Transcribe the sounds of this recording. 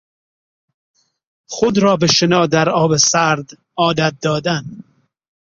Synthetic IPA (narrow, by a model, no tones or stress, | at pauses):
χod̪ɾɒːbeʃenɒːd̪æɾɒːbesæɾd̪ | ɒːd̪æt̪̚d̪ɒːd̪æn